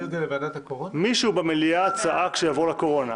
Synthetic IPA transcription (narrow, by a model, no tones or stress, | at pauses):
elevadat̪akoʁomiʃubemeliat͡saʔakʃejavolako̞ʁo̞na